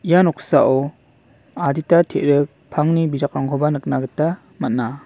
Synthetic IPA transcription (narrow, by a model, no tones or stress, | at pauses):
ijanɔkʰsaʔɔ | aditatʰeʔɾɯk̚pʰaŋnibizak̚ɾaŋkʰɔbanɯk̚naɡɯtːa | mat̚na